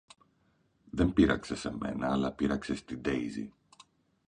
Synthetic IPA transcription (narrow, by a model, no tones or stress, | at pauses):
ðe̞mpiɾɐ̰ksese̞me̞̰nɐːlɐpiɾɐkse̞st̪id̪ejzḭ